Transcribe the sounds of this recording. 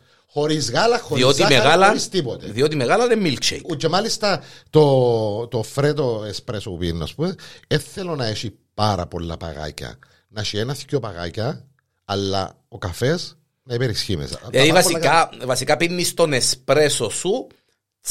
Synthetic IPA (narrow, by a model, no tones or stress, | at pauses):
xo̞ɾizɣɐlɐxoðiot̪iameɣalɐoɾist̪ipot̪eðiot̪̬imeɣalɐnemːilt͡ʃḛt͡ʃemɐlist̪ɐt̪ot̪ofɾet̪̬oespɾesopupiɾnːɐ̰spumeeθelonɐeʃi | pɐɾɐ̰po̞lːɐ̰pɐ̰ɣa̰cɐ̰ | nɐʃienɐθcopɐɣa̰cɐ | ɐlːɐ̰ | okɐfe̞s | nɐipeɾisçimḛseivɐsolilɐavɐsikɐpinːist̪onespɾesosu